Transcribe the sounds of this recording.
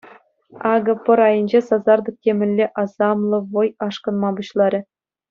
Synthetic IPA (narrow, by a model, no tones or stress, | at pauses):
ɑɡɤ̆pɤ̆ɾɑjɤ̆nʲd͡ʑesɑzɑrd̪ɤ̆k̚tʲemʲɘ̆lʲːeʔɑzɑmlˠɤ̆ʋŏjɑʂkɤ̆nmɑbuɕlˠɑɾʲɘ̆